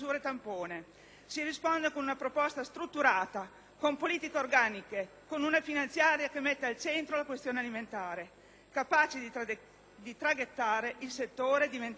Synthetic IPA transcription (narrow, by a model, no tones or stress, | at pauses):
uːɾet̪ampoːne | sirispond̪ekonunapɾopɔst̪ast̪ɾut̪ːuɾaːt̪a | kompoliːt̪ikeorɡaːnike | konunafinant̪sjaːɾjakemːɛt̪ːealt͡ʃɛnt̪ɾolakwest̪joːnealiment̪aːɾe | kapaːt͡ʃid̪i | d̪it̪ɾaɡet̪ːaːɾeʔilset̪ːoːɾed̪iven